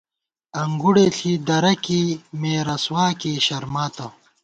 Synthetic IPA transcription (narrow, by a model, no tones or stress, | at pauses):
ɐŋɡuɽeːɬʰiːd̪ɐɾɐkimeːɾɐswaːkiːɕɐɾmaːt̪ɐ